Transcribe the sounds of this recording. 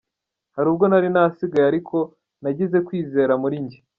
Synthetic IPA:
haɾuːb̚ɡo̞naɾinasiɡajaɾikʰo̞ | naɟeze̞kwiːze̞ːɾamuɾiɲɟi

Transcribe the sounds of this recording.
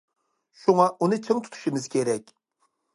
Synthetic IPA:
ʃuŋɑʔunɨt͡ʃʰiŋt̪ʰu̥t̪ʰu̥ʃimɪz̥kʲʰeɾɛkʲ

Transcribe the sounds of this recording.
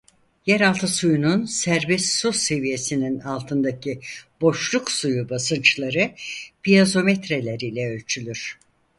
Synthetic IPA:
jɛɾalˠt̪ʰɯsujununsæɾbɛsːuse̞vije̞sininalˠt̪ʰɯnd̪acʰibo̞ʃlˠuksujubasɯnt͡ʃlˠaɾɯpijazo̞met̪ɾe̞lʲeɾiːlʲɛølʲt͡ʃʰylʲyɾ̥

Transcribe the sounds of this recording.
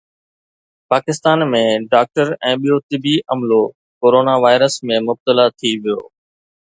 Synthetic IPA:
paːkɪst̪aːnmẽɖaːk̚ʈəɾɛ̃ːɓijot̪ɪbiʔɐmlo | koːɾoːnaʋaːɪɾəsmẽmʊb̚t̪əlat̪ʰiʋijo̰ː

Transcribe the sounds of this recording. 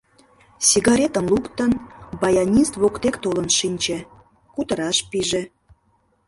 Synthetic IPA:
sʲiɣɑɾʲet̪ənlukt̪ənbɑjɑnʲist̪βokt̪ekt̪olə̆nʃinʲt͡ɕĕ | kut̪əɾɑʃpiʒĕ

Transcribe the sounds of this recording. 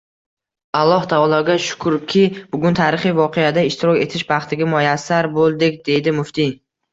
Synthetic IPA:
alˠːɒht̪ʰaɒlˠɒɡʲaʃʊ̥kʰʊɾkʲʰɪbʊɡʲʊnt̪ʰaɾɪχijvɒqʰejad̪aɪʃt̪ʰɪɾɒkʲe̞t̪ʰɪʃbɑχt̪ʰɪɡʲamojasːaɾbolˠd̪ɪkʲd̪e̞d̪ɪmʊft̪i

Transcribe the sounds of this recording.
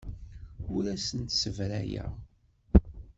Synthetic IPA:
ʊɾæsənt̪səvɾæ̰jæ̰

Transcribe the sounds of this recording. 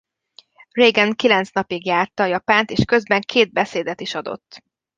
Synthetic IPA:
rejɡɛŋkilɛnt̪snɒpiɡjaːrt̪ɒːjɒpaːnt̪eːʃkø̞zbɛŋkʰeːd̪̚bɛseːd̪ɛt̪iʃɒd̪o̰t̪ː

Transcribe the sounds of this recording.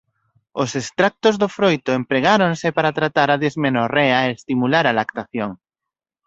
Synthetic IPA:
osest̪ɾak̚t̪ozðofɾojt̪oempɾeɣaɾonsɪpaɾat̪ɾat̪aɾaðezmenorɛaeest̪imulaɾalakt̪aθjoŋ

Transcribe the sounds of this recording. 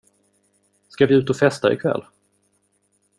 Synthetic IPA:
skavɪʉ̟ːt̪ɔfɛst̪aɪ̰kʰvɛ̰lː

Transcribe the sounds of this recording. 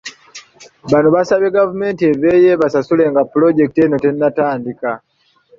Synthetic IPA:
βanuβasaβe̞ɡavume̞ːnteve̞je̞βasasule̞ŋɡapulo̞ɟe̞kiteno̞te̞nːataːndika

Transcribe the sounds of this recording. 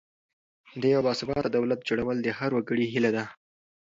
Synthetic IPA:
d̪əjawbɑsɪbɑt̪ad̪awlat̪̚d͡ʒoɽawəld̪əhaɾwaɡəɽiɦilad̪a

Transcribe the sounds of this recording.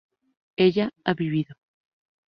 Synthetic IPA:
eʎaaβiβ̞iðo

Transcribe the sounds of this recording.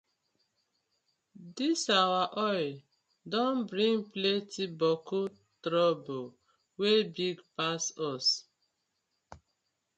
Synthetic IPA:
disawaʔɔjl | dɔ̃nbɾĩŋɡplɛtibɔko | tɾɔbo | webiɡpasɔs

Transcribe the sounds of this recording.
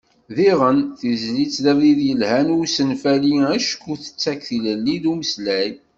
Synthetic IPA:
ðiʁənθizlit͡sːlæðiðjəlhænusənfæliæʃə̥kːuθə̥t͡sːækθiləlːiðuməslæj

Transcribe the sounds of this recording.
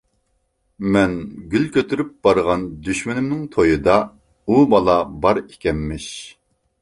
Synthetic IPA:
mɛnɡʲylkʲøt̪ʰyɾyp̚bɑɾʁɑnd̪yʃmɪnɪmnɪŋt̪ʰojɨd̪ɑ | ubɑlˠɑbɑɾekʲɛmːɪʃ

